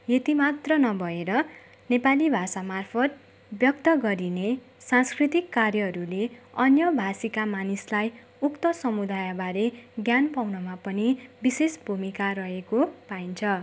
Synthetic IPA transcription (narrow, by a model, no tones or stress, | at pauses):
jet̪imat̪rʌnʌbʱʌeɾʌ | nepalibʱasamarpʰʌt̪̚ | bjʌk̚t̪ʌɡʌɾine | sãnskrit̪ikːarjʌɦʌɾuleʌnjʌbʱasikamanislaj | ukt̪ʌsʌmud̪ajabaɾeɡjanpawnʌmapʌnibisesbʱumikaɾʌɦekopaint͡sʰʌ